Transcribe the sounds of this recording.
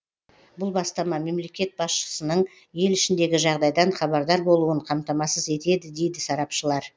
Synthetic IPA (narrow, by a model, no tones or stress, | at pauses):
bʊlˠbɑst̪ɑmɑme̞mle̞kʲe̞t̪̚bɑsʃə̥sənəɴ | je̞lɪʃɪnd̪e̞ɡʲɪʒɑʁd̪ɑjd̪ɑɴχɑβɑɾd̪ɑɾbo̞lˠuəɴqʰɑmt̪ɑmɑsəze̞t̪e̞d̪ɪd̪e̞jd̪ɪsɑɾɑpʃəlˠɑɾ